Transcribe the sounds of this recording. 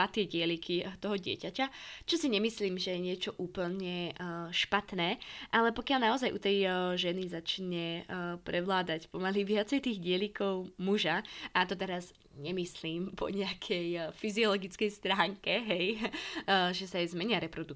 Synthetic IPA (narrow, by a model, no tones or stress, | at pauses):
at̪ɪɛɟɪɛlikʰit̪ɔɦɔɟɪɛ̰cacat͡ʃɔsiɲɛmisliːmʒɛjɛɲɪɛt͡ʃɔʔuːpl̩ɲɛʃpat̪nɛːʔalɛpɔkɪalnaɔzajʔut̪ɛjʒɛnizat͡ʃɲɛpɾɛʋlaːd̪acpɔmaliʋɪat͡sɛjt̪iːɣɟɪɛlikɔʊmuʒaʔat̪ɔt̪ɛɾaz | ɲɛmisliːmpʰɔ̰ɲɛakʰɛjfiziɔlɔɡit͡skɛjst̪ɾaːŋkɛɦɛj | ʒɛsajzmɛɲiaɾɛpɾɔd̪u